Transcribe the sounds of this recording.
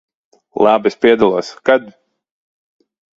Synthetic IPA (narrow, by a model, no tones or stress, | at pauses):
lˠabispiɛd̪alˠuɔskad̪